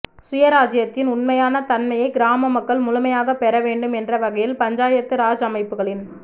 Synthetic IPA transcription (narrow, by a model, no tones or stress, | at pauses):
sʊjɐɾaːd͡ʒɪjɐt̪ːɪnʊnmɐjaːnɐt̪ɐnmɐjɐɪɡɪɾaːmɐmɐkːɐɭmʊlʊmɐjaːɣɐpːɛɾɐʋeːɳɖɯmɛndrɐʋɐɣɐjɪlpɐɲd͡ʒaːjɐt̪ːɯɾaːd͡ʒɐmɐɪpːɯɣɐɭɪn